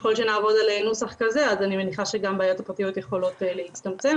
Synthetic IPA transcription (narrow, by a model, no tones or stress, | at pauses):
eχo̞lʃe̞naːvo̞d̪alenusaχkaze̞azanime̞niχaʃe̞ɡambeaːjo̞t̪apʁat̪ijo̞t̪jeχo̞lo̞tlehit͡st̪amt͡se̞m